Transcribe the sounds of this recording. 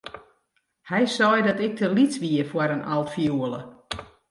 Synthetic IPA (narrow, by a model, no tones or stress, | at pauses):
hɛjsɔjdɔtɪk̚tʰəlisʋiəfwaɾənʔalˠtfjuələ̰